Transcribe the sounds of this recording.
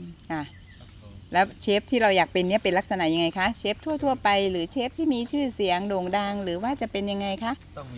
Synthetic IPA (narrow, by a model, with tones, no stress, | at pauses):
kʰa˧˥˩ | lɛː˦˥wt͡ɕʰeː˦˥p̚t̪ʰiː˥˩ɾa˧wjaː˨˩k̚pe˧nːi˥ɐpe˧nla˦˥k̚sa˧na˩˥ʔja˧ŋa˧jkʰa˦˥ʔt͡ɕʰe˦˥p̚t̪ʰu˥˩ɐt̪ʰu˥˩ɐpa˧jɾɯː˩˦t͡ɕʰeː˦˥p̚t̪ʰiː˥˩miː˧t͡ɕʰɯː˥˩si˩˦əŋdoː˨˩ŋdaː˧ŋɾɯː˩˦waː˥˩t͡ɕa˨˩pe˧nja˧ŋːa˧jkʰa˦˥ʔ